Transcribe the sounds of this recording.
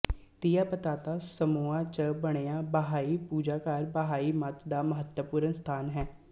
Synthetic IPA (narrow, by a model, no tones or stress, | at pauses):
t̪ijaːpət̪aːt̪aːsəmuaːt͡ʃəbəɽ̃eːaːbəɦaːiːpuːd͡ʒaːkaːɾbəɦaːiːmət̪d̪aːməɦət̪wəpuːɾənst̪ʰaːnɦɛː